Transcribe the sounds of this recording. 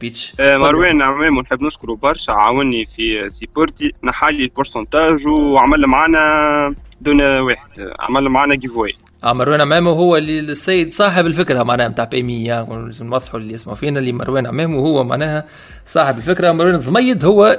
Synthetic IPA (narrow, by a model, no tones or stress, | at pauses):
biːt̪ʃmɑɾˤwɛːnʕmɛːmuwnħəbːnɪʃkʊɾubɑɾˤʃaʕa̰ːwɪnːifisipʊɾt̪inħalːilpʊɾsɑnt̪aːʒwʕmɪlːmʕaːnɛ | d̪uːnweːħəd̪̥a̰ʕmælːmʕaːnɛɡivoj | ʔmɑɾˤwɛːnʕmæːmuwɦʊwːælisːæjːɪd̪sˤɑːħɪbɪlfɪkɾɑmaʕnɛːhæmt̪aːʕpæmijazmnwɑðˤːħulːiʔɪsmaʕfiːnælimɑ̰ɾˤwɛːnaʕmɛːhmuwhʊwːæma̰ʕnɛːhæ | sˤɑːħɪbɪlfɪkɾɑmɑɾˤwɛːnðˤmɑjːɪd̪hʊwːæ